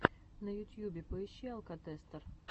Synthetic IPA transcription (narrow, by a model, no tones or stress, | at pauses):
nəjʊt̪ʲjubʲɪpəɪɕːalˠkɐt̪ɛst̪ər